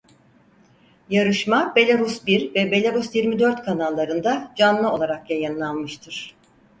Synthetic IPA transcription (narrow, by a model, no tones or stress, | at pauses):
jaɾɯʃmabe̞lʲaɾusbiɾvɛbe̞lʲaɾusjiɾmid̪øɾt̪kʰanalˠːaɾɯnd̪ad͡ʒanːˠɯo̞lˠaɾakjajɯnlˠalˠmɯʃt̪ʰɯɾ̥